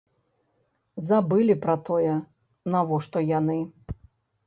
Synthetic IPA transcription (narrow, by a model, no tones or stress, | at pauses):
zabɨlʲipɾɐt̪ɔjɛ | navɔʂt̪ɔjanɨ